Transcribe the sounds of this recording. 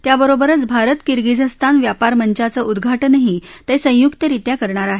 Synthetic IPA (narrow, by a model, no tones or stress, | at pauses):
t̪jabəɾobəɾət͡sbʱaɾət̪kiɾɡid͡zəst̪ʰanʋjapaɾməɲt͡ɕat͡səud̪ɡʱaʈənəɦit̪əjsə̃jukt̪əɾiʈ̪jakəɾɳaɾaɦe